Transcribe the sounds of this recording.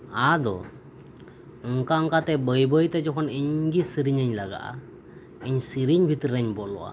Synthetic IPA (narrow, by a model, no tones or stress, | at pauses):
ad̪ɔ̰ | ɔŋkaɔŋkat̪ɛbəjbəjt̪ɛd͡ʒɔkʰɔniɲɡisiɾiɲəɲlaɡa̰ʔa̰ | iɲsiɾiɲbʱit̪ɾɾɛɲbɔʔlɔ̰ʔa̰